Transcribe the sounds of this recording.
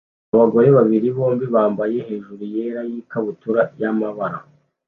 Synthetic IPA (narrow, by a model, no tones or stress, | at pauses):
aβaɡo̞ɾe̞βaβiɾiβo̞ːmbiβaːmbaje̞he̞ːʒuɾuje̞ɾajiːkaβutuɾajamaβaɾa̰